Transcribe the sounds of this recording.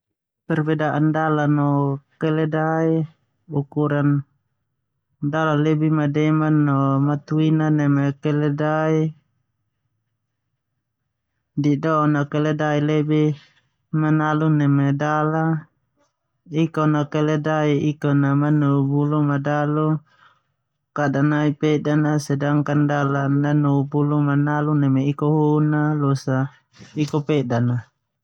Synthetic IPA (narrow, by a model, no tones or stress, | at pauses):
pɛrbɛdaʔandalanɔkɛlɛdai | ukuɾan | dalalɛbimadɛmanːɔmat̪uinanɛmɛkɛlɛdai | didɔnakɛlɛdailɛbi | manalunɛmedala | ikɔnakɛlɛdaiikɔnamanuubulumadalu | kadanaipɛdanasɛdaŋkandalanːanuubulumanalunɛmɛikɔɦunalusa | ikɔpɛdana